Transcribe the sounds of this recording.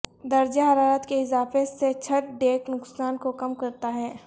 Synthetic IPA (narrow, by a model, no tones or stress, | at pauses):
d̪ɐɾd͡ʒaɦɐɾaːɾət̪keɪzaːfeset͡ʃʰɐt̪̚ɖeːknʊksaːnkokɐmkɐɾt̪aɦɛː